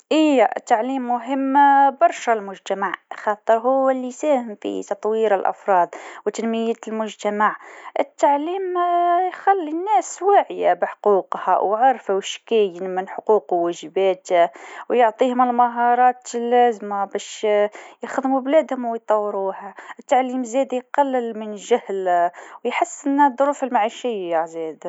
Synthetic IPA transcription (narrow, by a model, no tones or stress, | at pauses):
ʔijːaʔt̪ːaʕliːmːʊɦɪmːbɑɾˤʃalmʊʒt̪amaʕxɑːt̪ˤːəɾˤɦʊwːalːisæːhɪmfḭt̪ɑt̪ˤwiːɾɪlʔa̰fɾˤɑːd̪ˤwt̪anmɪjælmʊʒt̪amaʕʔɪ̰t̪ːaʕliːmjxælːinːæːswaːʕɪja̰bɪħquːqha̰wʕɑɾˤfawʃkæjənmənħʊquːqwːæʒəbæːt̪wjoʕt̪ˤiːhʊməlmaɦɑɾˤɑːt̪lːæzmabæʃjəxðmublæːd̪hʊmwjt̪ˤɑwːəɾuhæʔət̪ːaʕliːmzæd̪ijqɑlːəlmənʒæhlwjħəsːʔənːd̪ˤːʊɾˤuːfəlmaʕiʃɪjːazæd̪